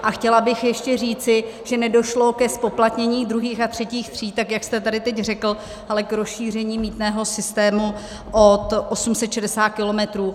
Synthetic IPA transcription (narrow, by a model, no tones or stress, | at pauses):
ʔaxcɛlabɪxjɛʃcɛr̝iːt͡sɪʒ̥ɛnɛdo̞ʃlo̞kɛspo̞plat̪ɲɛɲiːd̪ɾuɦiːxat̪r̝̥ɛciːxt̪r̝̥iːt̪akjakst̪ɛt̪adɪt̪ɛcrɛkl̩ | hɛlɛkɾosʃiːr̝ɛɲiːmiːt̪nɛːɦo̞sɪst̪ɛːmu | ʔot̪ʔosumsɛt̪ʃɛdɛsaːt̪̚kɪlo̞mɛt̪ɾuː